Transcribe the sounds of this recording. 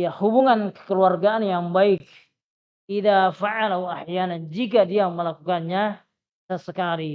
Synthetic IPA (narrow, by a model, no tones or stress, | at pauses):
jahubuŋankə̥kəluarɡaanjaŋbaɪk̚ | iðafaʕalauaħjanand͡ʒikadiaməlakukanɲa | səsəkali